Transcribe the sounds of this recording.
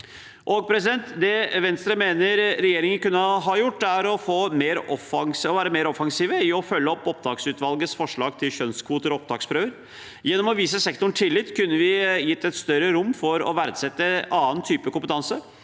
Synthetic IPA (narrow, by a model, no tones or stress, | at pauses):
ʔoɡ̚pʰɾɛsɪd̪ɛnt̪d̪ɛʋɛnst̪ɾɑmeːnəɾɾɛjeːɾɪŋənkʉnːəɦɑjʊʈːæɾɔfoːmeːɾʔɔfɑŋsɔʋæːɾəmeːɾɔfɑŋsiːʋəɪɔfœlːəɔpːɔpd̪ɑːksʉːt̪ʋɑlɡəsfɔʂɭɑːɡ̚t̪ʰɪlɕœnskʰʋuːt̪əɾɔɔp̚d̪ɑ̰ːkspɾøːʋəɾ | jɛnːɔmɔʋiːsəsɛkt̪ʊɳ̩ʈ̪ʰɪlːɪːt̪ːkʉnːəʋɪjɪt̪ːɛt̪st̪œɾəɾʊmːfɔɾɔ̰ʋæɾd̪sɛt̪ːəʔɑːənt̪ʰyːpəkʊmpət̪ʰɑnsə